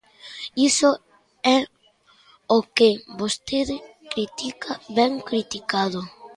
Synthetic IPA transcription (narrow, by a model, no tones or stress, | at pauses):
iso | ɛ | okebost̪eðɪ | kɾit̪ikaβɛŋkɾit̪ikaðo